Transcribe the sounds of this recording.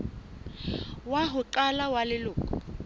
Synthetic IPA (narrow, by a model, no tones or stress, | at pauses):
waɦʊǃalawalɪlʊːkʼɔ